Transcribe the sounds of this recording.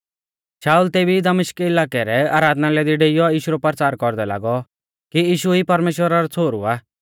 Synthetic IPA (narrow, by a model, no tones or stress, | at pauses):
ʃaːult̪eːbid̪ɐmɪʃkɪlaːkɛɾɛaːɾaːd̪nalɛd̪iɖeɪjɔiːʃuɾɔpəɾt͡saːɾkɔɾd̪ɛla̰ːɡɔ | kiiːʃuipɐɾmeːʃwəɾaɾɔt͡sʰoːɾṵaː